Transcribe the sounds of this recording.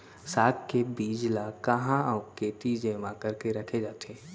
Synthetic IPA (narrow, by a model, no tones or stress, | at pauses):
saːkkebiːd͡ʒlakɐɦãɔːkeːt̪id͡ʒeːmãkɐɾkeɾɐkʰed͡ʒaːt̪ẽː